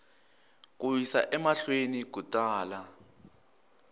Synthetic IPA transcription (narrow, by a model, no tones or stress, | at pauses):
k̬ʼuwisa̰ʔɛmaɬwenik̬utʼaːla